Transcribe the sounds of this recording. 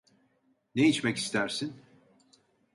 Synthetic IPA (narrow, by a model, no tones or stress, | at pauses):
neit͡ʃmɛci̥st̪ʰæɾsin